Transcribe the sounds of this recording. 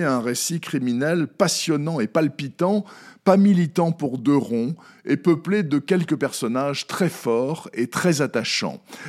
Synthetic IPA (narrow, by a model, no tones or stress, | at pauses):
ɛ̃ʁesikχiminɛlpasjɔnɑ̃epalpit̪ɑ̃pamilit̪ɑ̃puʁd̪øʁɔ̃ | epəpled̪əkʲɛlkəpɛʁsɔnaʒt̪χɛfɔʁet̪χɛzat̪aʃɑ̰̃